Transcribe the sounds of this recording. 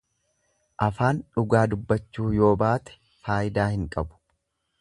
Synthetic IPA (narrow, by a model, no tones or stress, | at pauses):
ʔɐfaːnᶑʊɡaːd̪ʊbːɐt͡ʃːuːjo̞ːbaːt̪ɛ̥ | faːjɪd̪aːhɪŋkʼɐbʊ̥